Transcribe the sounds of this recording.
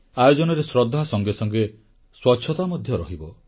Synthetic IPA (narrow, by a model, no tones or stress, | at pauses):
ajɔd͡ʒɔnɔɾesɾɔd̪ʱːasɔŋɡesɔŋɡe | swɔtːt͡ʃʰɔt̪amɔd̪ʱjɔɾɔɦibɔ